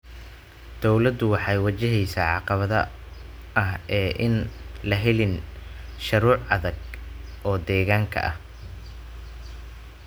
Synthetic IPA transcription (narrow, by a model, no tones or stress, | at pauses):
d̪̥ɔwlɐd̪ʊwɑħɑjwɐt͡ʃɪɦɛjsaːʕɑqɑβɐðɐ | ʔɐɦɛːʔɪnlɐɦɛlɪnʃɐɾuːʕʔɐðɐɡʔɔːd̪ɛːɣaːŋkʰɐ̰ʔɐh